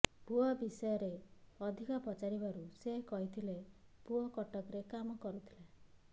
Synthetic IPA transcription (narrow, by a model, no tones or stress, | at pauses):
puɔbisɔjɔɾeɔd̪ʱikɔpɔt͡ʃaɾibaɾuseɦkɔɦit̪ʰilepuɔkɔʈɔkɾekamɔkɔɾut̪ʰi̥le